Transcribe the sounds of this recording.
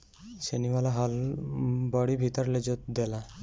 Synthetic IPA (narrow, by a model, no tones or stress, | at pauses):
seniwalaɦal | bɔɽibʱit̪ɔɾled͡ʒot̪̚d̪ela